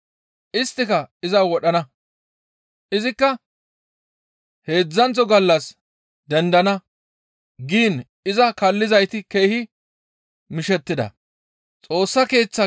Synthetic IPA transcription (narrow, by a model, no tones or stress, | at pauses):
ʔɪst̪ːɪkɐɪzɐwɔɗɐnɐ | ʔɪzɪkːɐ | he̞ːd͡zːɐnt͡sɔɡɐlːɐs | d̪ɛnd̪ɐnɐ | ɡiːn | ɪzɐkɐlːɪzɐjt̪ɪke̞ːhɪ | mɪʃɛt̪ːɪd̪ɐ̰ | t͡sʼo̞ːsːɐke̞ːt͡sːɐ